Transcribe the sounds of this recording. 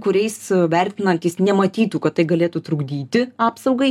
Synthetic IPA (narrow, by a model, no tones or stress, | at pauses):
kʊɾʲɛɪsʋʲɛrʲt̪ʲɪnɐnʲt̪ʲɪsnʲɛmɐt̪ʲiːt̪uːkɐt̪tɐɪɡɐlʲeːt̪ut̪ɾʊɡd̪ʲiːt̪ʲɪɑːpsɐʊɡɐɪ